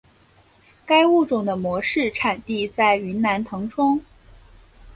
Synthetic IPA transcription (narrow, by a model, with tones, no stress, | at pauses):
ka˥ɪu˥˩ʈ͡ʂʊ˨˩ŋd̪ə˦mwɔ˧˥ʂɻ̩˥˩ʈ͡ʂʰa˨˩nt̪i˥˧t͡sa˥˩ɪy˧˥nna˧˥nt̪ʰɤ˧˥ŋʈ͡ʂʰʊ˥ŋ